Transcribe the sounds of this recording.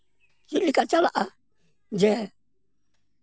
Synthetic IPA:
d͡ʒilikat͡ʃalaʔa | nd͡ʒɛ

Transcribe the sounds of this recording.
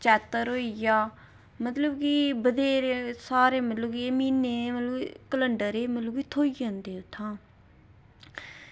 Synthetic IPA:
t͡ʃɛːt̪ːəɾɦoːijaː | mət̪ləbkibəd̪eːɾsaːɾeːmət̪ləbkiemiːneːmət̪ləbikələɳɖəɾeːmət̪ləbit̪ʰoːiə̃nd̪eːʊt̪ʰːãː

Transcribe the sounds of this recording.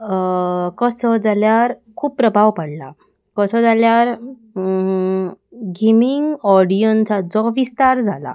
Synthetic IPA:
kəsɔd͡zaljaɾ | kʰuːppːɾəbʱaʋpəɽla̰ | kəsɔd͡zaljaɾ | ɡimiŋɡɔɽijɔnt͡sad͡zɔʋist̪aɾd͡zʱala̰

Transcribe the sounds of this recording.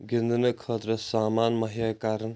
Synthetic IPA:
ɡind̪ənɐkʰɐt̪ɾɐsaːmaːnmɐɦijaːkaːɾɐn

